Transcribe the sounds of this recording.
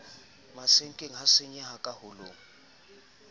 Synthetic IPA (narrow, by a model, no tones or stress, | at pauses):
masɪŋ̩kʼeŋ̩ɦasɪɲɛɦakʼahʊlʊ̰ːŋ̩